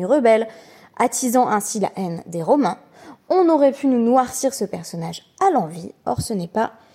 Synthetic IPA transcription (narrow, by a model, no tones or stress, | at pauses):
ʁəbɛl | at̪izɑ̃ʔɛ̃sila̰ʔɛnd̪eʁɔmɛ̃ | ɔ̃nɔʁɛpʰynunwaʁsiʁsəpɛʁsɔnaʒ | alɑ̃viɔ̰ʁsənɛpa